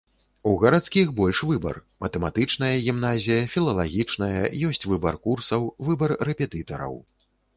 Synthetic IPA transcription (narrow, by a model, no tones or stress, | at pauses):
uɣɐɾat̪skʲixbɔlʲʂvɨbɐ̰rmɐt̪ɛmat̪ɨt͡ʂnɐjɐɣʲimnazʲijɐfʲilˠɐlˠaɣʲit͡ʂnɐjɐ̰jɔsʲt͡sʲvɨbɐrkursɐwvɨbɐrːɛpʲɛt̪ɨt̪ɐɾɐ̰w